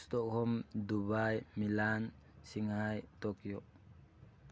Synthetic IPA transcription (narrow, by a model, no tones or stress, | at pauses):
stɔkhɔmdubajmilan | siŋhajtɔkjɔʔ